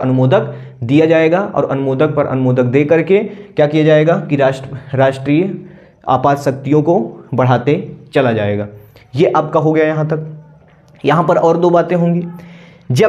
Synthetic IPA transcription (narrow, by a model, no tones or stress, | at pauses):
ɐnʊmoːd̪ək | d̪ijad͡ʒaːeːɡaʔɔ̰ːɾɐnʊmoːd̪ək̚pɐɾʔɐ̰nʊmoːd̪ək̚d̪eːkɐɾkekjaːkijad͡ʒaːeːɡakiɾaʃɾaːʃʈɾiː | a̰ːpaːd̪sɐk̚t̪ijõkobɐɽ̤aːt̪et͡ʃɐlad͡ʒaːeːɡaːjeʔɐːp̚kaɦoɡɐjajɐɦãt̪ɐk̚ | jɐɦãpɐɾɔːɾd̪oːbaːt̪ẽɦõːŋɡiː | d͡ʒɐ